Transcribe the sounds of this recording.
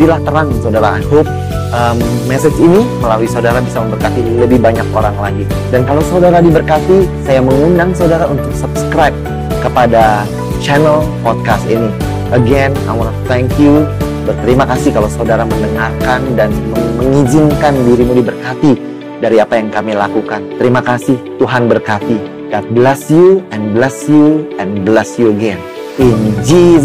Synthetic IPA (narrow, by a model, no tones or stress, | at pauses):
dilaht̪əɾaŋsawdaɾaajɦop̚ | ʔəmːɛsɛd͡ʒiniməlaluwisaudaɾabisaməmbərkat̪iləbɪhbaɲak̚oɾaŋlaɡi | dankalawsaudaɾadibərkat̪isajaməŋundaŋsawdaɾaunt̪ʊk̚səp̚sə̥kɾajp̚ | kəpada | t͡ʃɛnəlpɔt̪̚kast̪ḭni | ʔəɡɛna̰wnat̪ʰɛŋkju | bərt̪əɾimakasɪhkalawsawdaɾaməndəŋarkandanməməŋid͡ʒɪmkandiɾimudibərkat̪i | daɾiapajaŋkamilakukant̪əɾimakasɪht̪uɦanbərkat̪i | dat̪̚blɛsjuɛ̃nblɛsjuɛ̃nblɛsjuəɡɛn | ind͡ʒi